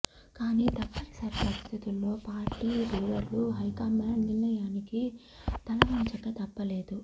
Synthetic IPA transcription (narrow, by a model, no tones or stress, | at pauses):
kaːniːt̪ɐpːɐlɐsɐɾipɐɾist̪ʰit̪ulːo̞ːpaːɾʈiːɾuːʋɐɾuɦɐjkaːmɐɐnninːɐjaːniki | t̪ɐlɐʋɐɲt͡ʃɐkːɐt̪ɐpːɐle̞ːd̪u